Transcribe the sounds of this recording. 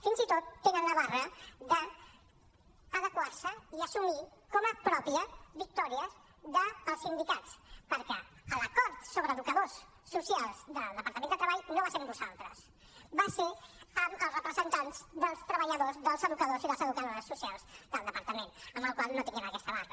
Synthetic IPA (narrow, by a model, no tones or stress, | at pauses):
finzit̪ot̪ːenənləβarəðə | ðəkwaɾsəiəsumikɔməpɾɔpiəβik̚t̪ɔɾiəz | ðəːlˠsind̪ikatt͡spəɾkɛ | ələkɔɾt̪soβɾəðukəðosː | usialˠzðəlˠd̪əpəɾt̪əmẽnd̪ət̪ɾəβaʎnoβasembuza̰lˠt̪ɾə̰s | baseəməlˠsrəpɾəzənt̪anzd̪əlˠst̪ɾəβəʎəðozðəlˠzəðukəðoziðəlˠzəðukəðoɾsːusialˠzd̪əlˠd̪əpəɾt̪əmenəmbəlˠkwalˠnot̪iniəməkɛst̪əβarə